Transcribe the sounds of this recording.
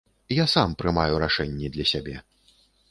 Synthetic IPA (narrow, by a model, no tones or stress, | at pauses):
jasampɾɨmajuɾaʂɛnʲːɛd̪lʲɐsʲabʲɛ